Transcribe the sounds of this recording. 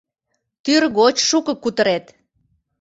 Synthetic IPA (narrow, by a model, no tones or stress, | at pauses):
t̪yrɣot͡ɕʃukə̆kut̪əɾet̪